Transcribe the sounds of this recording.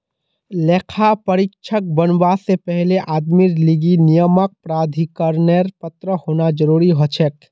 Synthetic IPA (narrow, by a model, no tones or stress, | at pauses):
leːkʰapɐɾɪkʃʰək̚bənwaːsepɛɦleʔaːd̪miɾliɡinijəmək̚pɾaːd̪ʱikəɾneɾpət̪ɾəhoːnad͡ʒəɾuːɾiɦot͡ʃʰɛʈ